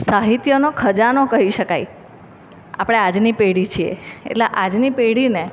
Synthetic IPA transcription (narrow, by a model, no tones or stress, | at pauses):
saɦit̪jonokʰəd͡ʒanokəɦiʃəkaj | a̰pɽ̃ead͡ʒnipeɽit͡ʃʰiḛḛʈleʔad͡ʒnipeɽine